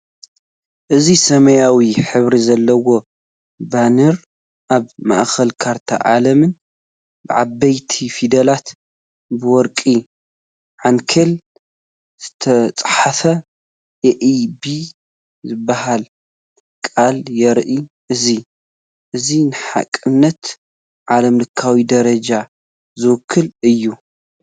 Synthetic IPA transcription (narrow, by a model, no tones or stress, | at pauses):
ʔɨzisɐmɐjawiħɨβɾizɐlːɐwo̞ | banɨɾ | ʔaβma̰ʔxɐlkʰaɾt̪ʰa̰ʕa̰lɐmɨn | bɨʕabːɐjt̪ʰifid̪ɐlat̪ | bɨwɔɾkʼi | ʕankʰɐl | z̥ɨt̪ʰɐt͡sʼħafɐ | jɛʔibi | zɨbːaɦal | kʼaljɛɾʔi | ʔɨzi | ʔɨzinɨħa̰kʼːɨnːɐt̪ | ʕalɐmlɨkʰːawid̪ɐɾɐd͡ʒa | zɨwʊkʰːɨlɨjːu